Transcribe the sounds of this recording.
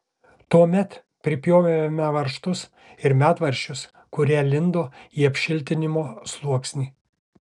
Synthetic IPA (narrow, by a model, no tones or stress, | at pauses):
t̪uɔmʲɛt̪ | pʲɾʲɪpʲjoːʋʲemʲɛʋɐɾʃt̪ʊs | ɪɾmʲæːt̪ʋɐɾʲʃʲt͡ʃʲʊs | kʊɾʲæːlʲɪnd̪oːiːɐpʲʃʲɪlʲt̪ʲɪnʲɪmoːslˠuɔksʲnʲiː